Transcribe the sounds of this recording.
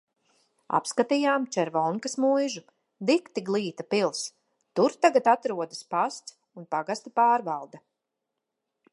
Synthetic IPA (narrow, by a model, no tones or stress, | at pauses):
a̰pskat̪ijaːmt͡ʃɛɾvɔlŋkasmujʒu | d̪ikt̪iɡlˠiːt̪apilˠs | t̪uɾt̪aɡat̪at̪ɾuɔd̪aspast̪s | unpaɡast̪apaːɾvalˠd̪a